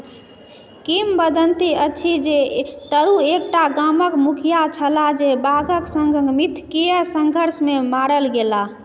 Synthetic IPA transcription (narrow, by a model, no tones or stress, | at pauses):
kimbəd̪ʱənt̪iətːt͡ʃʰid͡ʒet̪əɾuek̚ʈaɡaməkmukʰijat͡ʃʰəlad͡ʒebaɡʱəksəŋɡəɡmit̪ʰkijəsəŋɡʱəɾsmemaɽəlɡela